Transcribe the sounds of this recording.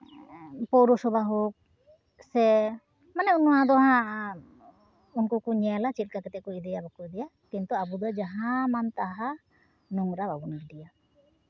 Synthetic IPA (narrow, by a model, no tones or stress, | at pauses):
pɔwɾɔsɔbaɦuk̚ | sɛ | manɛunɔɦãd̪ɔɦã | unkukuɲɛlat͡ʃit̪̚kakɛt̪ɛʔkɔʔid̪ɛjabakɔd̪ɛja | kint̪uabud̪ɔad͡ʒaɦãmant̪aɦa | nuŋɾababunaɡid̪ɛja